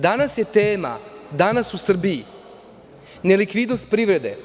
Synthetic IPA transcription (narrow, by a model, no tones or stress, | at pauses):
d̪anasje̞t̪eːma̰d̪anasusr̩bii | nelikʋid̪nost̪̚pɾiːʋɾe̞d̪e̞̰